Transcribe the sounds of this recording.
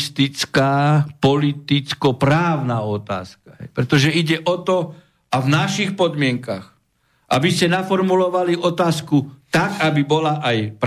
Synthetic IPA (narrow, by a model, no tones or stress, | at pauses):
st̪it͡skaːpɔlit̪it͡skɔpɾaːʊnaɔt̪a̰ːskḁɦɛ̰jpɾɛt̪ɔʒɛiɟɛʔɔt̪ɔ | avnaʃixpɔd̪mɪɛŋkax | ʔabiscɛnafɔɾmulɔʋaliʔɔt̪aːskut̪akabibɔlaʔajp